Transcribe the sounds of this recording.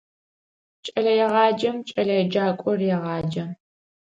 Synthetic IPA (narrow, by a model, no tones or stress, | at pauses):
t͡ʃʼɐɮɐjɛʁɑːd͡ʒɐmt͡ʃʼɐɮɐjɛd͡ʒaːkʷʼɔrjɛʁɑːd͡ʒɐ